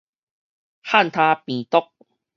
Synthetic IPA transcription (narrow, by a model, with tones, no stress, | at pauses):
ha˥˨nt̪ʰa˦pĩ˨t̪ɔ˦k̚